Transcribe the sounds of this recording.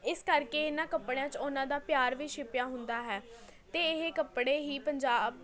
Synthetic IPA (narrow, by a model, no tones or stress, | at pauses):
ɪskəɾkeːɪnãːkəpːɽejãːt͡ʃʊnãːd̪aːpjaːɾʋiːʃʰɪpɪjãːɦʊnd̪aːɦɛː | t̪eːɪɦekəpɽeːɦiːpəɲd͡ʒaːb